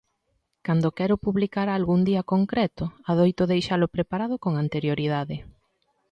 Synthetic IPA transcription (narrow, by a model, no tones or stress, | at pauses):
kand̪okɛɾʊpuβlikaɾaːlɣuŋd̪iɐkoŋkɾɛt̪ʊaðojt̪oðejʃalʊpɾepaɾað̞ʊkoŋant̪eɾjoɾið̞aðɪ